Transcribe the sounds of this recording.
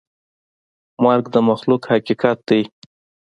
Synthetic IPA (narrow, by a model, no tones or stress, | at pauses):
mɑɾɡd̪əmaxlukhakikɑt̪̚d̪aj